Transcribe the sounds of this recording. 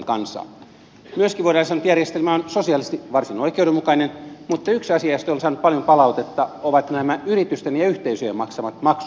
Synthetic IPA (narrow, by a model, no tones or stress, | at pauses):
kɑ̰nsɑ̰ː | myøskiʋoiɾɑːnsɑːnut̪jærjest̪elmæonsosiɑlist̪iʋɑrsinoikeudemukɑinenmut̪ːɑyksɑsiɑjst̪onsɑːnup̪̚pɑljompɑlɑut̪et̪ːɑoʋɑt̪næmæyrit̪yst̪enjɑyht̪eisøjemɑksɑʋɑt̪mɑksu